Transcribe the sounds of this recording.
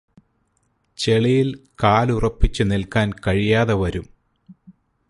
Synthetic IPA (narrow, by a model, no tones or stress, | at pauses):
t͡ɕeɭijilkaːlurɐpːit͡ɕːɨnilkaːnkɐɻijaːðɐʋɐɾum